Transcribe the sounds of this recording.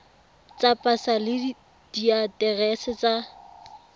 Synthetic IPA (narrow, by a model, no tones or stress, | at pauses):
t͡sapʼasalɪ | d̥iatʼɛɣɛsɪt͡sa